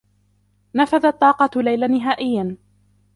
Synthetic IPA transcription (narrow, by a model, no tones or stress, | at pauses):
nafaðat̪ˤːɑːqɑlajlanɪɦaːʔɪjːan